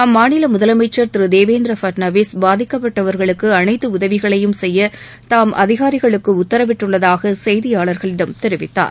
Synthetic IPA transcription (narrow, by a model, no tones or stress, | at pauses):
ɐmːaːnɪlɐmʊðɐlɐmɐɪt͡ʃːɐɾt̪ɪɾɯd̪eːʋeːnd̪ɾɐfɐʈnɐʋeːsbaːðɪkːɐpːɐʈːɐʋɐɾɣɐɭɯkːɯɐnɐɪt̪ːɯʊðɐʋɪɣɐɭɐjɯmsɛjːɐ | t̪aːmʔɐ̰ðɪɣaːɾɪɣɐɭɯkːɯʊt̪ːɐɾɐʋɪʈrɯɭːɐðaːɣɐsɛjðɪjaːɭɐɾɣɐɭɪɽɐmt̪ɛɾɪʋɪt̪ːa̰ːɾ